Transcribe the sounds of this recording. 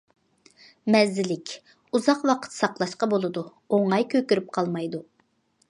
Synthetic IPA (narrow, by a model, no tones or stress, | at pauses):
mɛzːɪlɪkʲ | uzɑqwɑqʰə̥t̪sɑqlˠɑʃqɑbolˠɨd̪u | oŋɑjkʲʰøkʲyɾyp̚qʰɑlˠmɑjd̪u